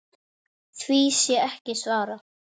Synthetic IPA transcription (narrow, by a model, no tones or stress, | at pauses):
θvisjɛɛhcɪsvaːɾa